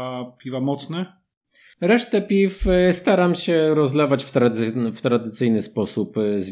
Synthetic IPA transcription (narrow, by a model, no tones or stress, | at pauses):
pʲivamɔt̪snɛ | ɾɛʂt̪ɛpʲifst̪aɾamɕɛɾɔzlɛvat͡ɕft̪ɾaft̪ɾad̪ɘt̪sɘjnɘspɔsupzvʲ